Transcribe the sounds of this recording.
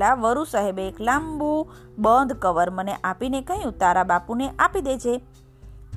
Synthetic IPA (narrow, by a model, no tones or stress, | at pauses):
laʋəɾusəɦebeːklambu | bənd̪ʱkəʋəɾməneʔapinekəɦjũt̪aɾabapuneʔapid̪et͡ʃʰe